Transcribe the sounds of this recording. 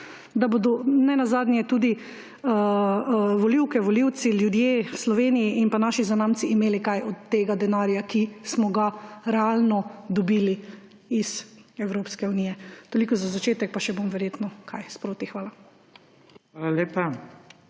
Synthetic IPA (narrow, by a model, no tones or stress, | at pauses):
d̪abod̪ɔnɛnazaːd̪nʲjɛt̪uːd̪i | ə | ʋɔliwkɛʋɔliwt̪siljud̪jeːwslɔʋeːnijiʔinpanaːʃizanaːmt͡s̪iːmeːlikajɔt̪ːeːɡad̪ɛnaːɾjakismɔɡaɾɛalnɔd̪ɔbiːli | iz̥ɛwɾopskɛuniːjɛt̪olikɔzazat͡ʃeːt̪ɛk̚paʃɛbomʋɛɾjeːt̪nɔkʰajspɾoːt̪ixʋaːla | alaleːpa